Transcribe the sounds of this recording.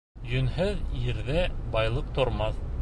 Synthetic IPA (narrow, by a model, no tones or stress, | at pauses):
jɵ̆nɦɘðjɘ̆ɾðæbɑjlˠɤq̚t̪ŏɾmɑθ